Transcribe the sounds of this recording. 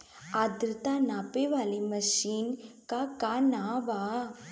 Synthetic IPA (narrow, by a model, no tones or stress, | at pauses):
ɐd̪ɾt̪aːnapeʋalimɐʃiːnkakanaːʋa